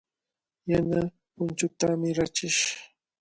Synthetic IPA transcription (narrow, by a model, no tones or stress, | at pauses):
jana | pʊnt͡ʃʊt̪amɪɾat͡ʃɪʃ